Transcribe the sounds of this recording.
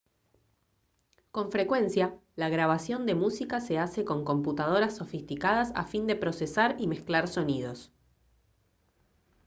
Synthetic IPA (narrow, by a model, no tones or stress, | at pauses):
ko̞ɱfɾe̞kwe̞nsjalaɣɾaβ̞asjo̞nd̪e̞musikase̞ase̞ko̞ŋko̞mput̪að̞o̞ɾasːo̞fist̪ikað̞asa̰find̪e̞pɾo̞sesaɾimesklaɾso̞nið̞o̞s